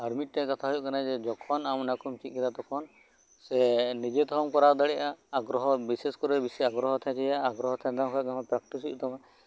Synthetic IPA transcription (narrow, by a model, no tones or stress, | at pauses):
aɾmit̪̚ʈɛkat̪ʰaɦujuʔkanad͡ʒɛd͡ʒɔkʰɔnamnakumt͡ʃiˀkɛd̪at̪ɔkʰɔn | sɛnid͡ʒet̪ɔɔmkɔɾad̪aɽɛʔaːɡɾɔɦɔbiseskɔɾɛbisɛaɡɾɔɦɔt̪ʰɛ̃t͡ʃʰɛjaːɡɾɔɦɔt̪ʰɛ̃d̪aɔ̃kʰakamapɾak̚ʈisujṵt̪ʰɔma